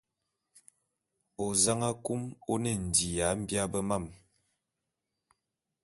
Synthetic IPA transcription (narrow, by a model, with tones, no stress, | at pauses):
o˨za˦ŋa˦ku˦mo˦nɛ˦˨n̩˨di˨ja˨˦m̩˦bja˦bə˦ma˦˨m